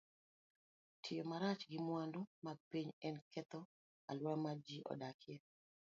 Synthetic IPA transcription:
tʰɪjomaɾat͡ʃɡɪmwandomaɡ̚piɲɛnkʰɛt̪ɔ | alwamad͡ʒiʔɔ̰dakʰɪɛ

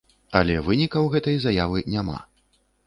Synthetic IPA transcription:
ɐ̰lʲɛvɨnʲikɐwɣɛt̪ɐjzajavɨnʲama̰

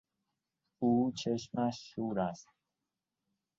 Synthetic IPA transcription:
uːt͡ʃʰe̞ʃmæʃːuːɾæst̪̚

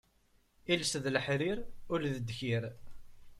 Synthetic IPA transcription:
ilsðləħɾiɾʊlðəd̪ːçiɾ

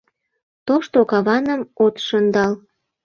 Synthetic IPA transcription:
t̪oʃt̪okɑβɑnə̆mot̪ʃɤnd̪ɑl

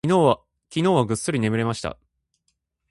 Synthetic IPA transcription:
kʲino̞ːβaɡɯ̟sːɨɾʲine̞mɯ̟ɾe̞maɕi̥t̪a̰

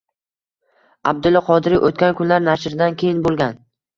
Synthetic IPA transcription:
ab̚d̪ʊlːɪqʰɒd̪ɪɾiʔot̪̚kʲankʰʲʊnlaɾnaʃɾɪd̪ankʲʰejɪnbolˠɡʲan

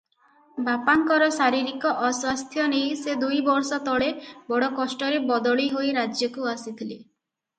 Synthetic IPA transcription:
bapaŋkɔɾɔsaɾiɾikɔʔɔswast̪ʰjɔnejsed̪ujbɔɾsɔt̪ɔɭebɔɽɔkɔsʈɔɾebɔd̪ɔɭiɦojɾad͡ʒjɔkuasit̪ʰile

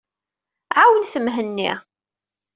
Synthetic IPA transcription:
ʕawənθəmɦənːḭʁ

